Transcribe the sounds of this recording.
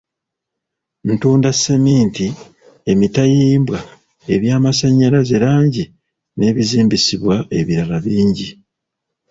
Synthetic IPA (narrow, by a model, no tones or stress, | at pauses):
ntuːndasemiːnti | e̞mitajiːmbwa | e̞βjaːmasaɲːaɾazelaːɲɟi | ne̞ːβiziːmbisiβwae̞βiɾalaβiːɲɟi